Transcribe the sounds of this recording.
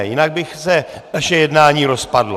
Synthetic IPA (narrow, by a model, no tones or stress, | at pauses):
jɪnaɡ̚bɪxsɛ | naʃɛjɛdnaːɲiːɾo̞spadlo